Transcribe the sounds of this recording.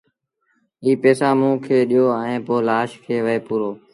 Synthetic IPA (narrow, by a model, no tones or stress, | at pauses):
iːpeːsaːmũːkʰeːɗijoːẽːpoːlaːʃkʰeːʋəeːpuːɾoː